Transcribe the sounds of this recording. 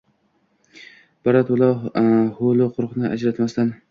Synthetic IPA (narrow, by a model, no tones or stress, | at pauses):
b̥aɾat̪ʊlˠahʊlˠʊqʰʊɾqnɪʔa̰d͡ʒɾat̪mast̪an